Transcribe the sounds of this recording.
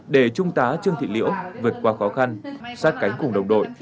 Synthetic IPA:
ɗe˧˩t͡ɕʊ˧ŋ͡mt̪aː˨˦t͡ɕɨ˧əŋt̪ʰḭ˧˨lḭ˧˥əwvɨ˨˩ət̚kwaː˨˦xɔ˨˦xa˧nsaː˦˥t̚ka˨˦jŋ̟kʊ˨˩ŋ͡mɗə˨˩wŋ͡mɗo̰˧˨j

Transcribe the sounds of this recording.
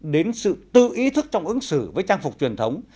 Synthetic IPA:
ɗe˨˦nsɨ̰˧˨t̪ɨ̰˧˨ʔi˨˦t̪ʰɨ˦˥k̚t͡ɕɔ˧wŋ͡mʔɨ˨˦ŋsɨ˧˩vəː˨˦jt͡ɕaː˧ŋfʊ˨˩k͡p̚t͡ɕwi˨˩ənt̪ʰə˨˦wŋ͡m

